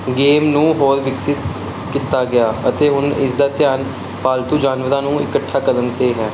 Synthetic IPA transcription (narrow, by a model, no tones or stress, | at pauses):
ɡeːmnũːɦoːɾʋɪksɪt̪ | kiːt̪aːɡɪjaːət̪eːɦʊnɪ̰sd̪aːt̪jaːn | paːlt̪uːd͡ʒaːnʋəɾaːnũːɪ̰kəʈʰːaːkəd̪ənt̪eːɦɛː